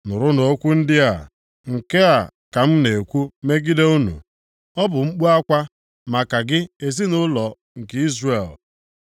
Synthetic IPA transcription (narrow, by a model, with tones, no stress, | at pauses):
nʊ˨ɾʊ˦no˨˦kʷu˦n̩˦dɪ˦a̰˨ | ŋ̩˨ke˦a˨ka˨m̩˦ne˨kʷu˦me˦ɡi˦de˦u˦nṵ˨ | ɔ˦bʊ˨ŋ͡m̩˦k͡pu˦a˦kʷa˦ | ma˨ka˨ɡɪ˦e˨zi˦nʊ˦lɔ˨ | ŋ̩˨kɪ˦i˦zre˨l